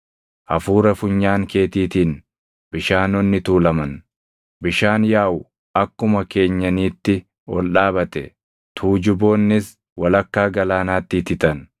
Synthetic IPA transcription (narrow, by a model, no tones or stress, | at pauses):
ʔɐfuːɾɐfʊɲːaːŋke̞ːt̪iːt̪iːn | b̥ɪʃaːnɔnːɪt̪uːlɐmɐn | bɪʃaːnjaːʔʊ | ɐkːʊmɐke̞ːɲːɐniːt̪ːɪ | wɔ̰lᶑaːbɐt̪ɛ | t̪ʰuːd͡ʒʊbo̞ːnːɪs | wɐlɐkːaːɡɐlaːnaːt̪ːɪːt̪ɪt̪ɐn